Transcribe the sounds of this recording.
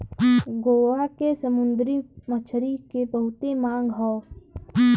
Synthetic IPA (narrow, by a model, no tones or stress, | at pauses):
ɡoːʋakesəmʊnd̪ɾimət͡ʃʰɾikebəɦʊt̪emãːŋɡɦɔː